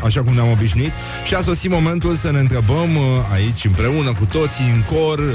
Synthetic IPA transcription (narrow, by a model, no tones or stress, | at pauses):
aʃakumneamo̞biʃnuit̪ | ʃias̬o̞sit̪mo̞me̞nt̪ulsəne̞ɨnt̪ɾe̞bəmait͡ʃʲɨmpɾe̞unəkut̪o̞t̪siɨŋko̞r